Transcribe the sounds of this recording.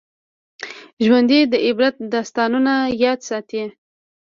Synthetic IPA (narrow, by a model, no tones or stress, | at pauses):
ʒwand̪id̪əʔɪbɾat̪̚d̪ɑst̪ɑnunajɑd̪sɑt̪i